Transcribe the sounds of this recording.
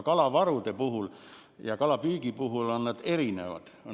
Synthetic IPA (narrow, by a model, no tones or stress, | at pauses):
kɑlɑʋɑrut̪epuhul | jɑkɑlɑpyːkipuhulɑnːɑt̪erinḛʋɑ̰t̪